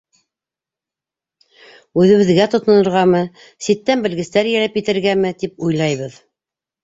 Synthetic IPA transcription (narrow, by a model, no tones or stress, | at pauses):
ʉðɘ̆βɘ̆ðɡæt̪ŏt̪ɤ̆nɤ̆ɾʁɑmɤ | sit̪ːænbɘ̆lɡɘ̆st̪æɾjælɘpjɘ̆t̪ɘ̆ɾɡæmɘt̪ipujlˠɑjβɤð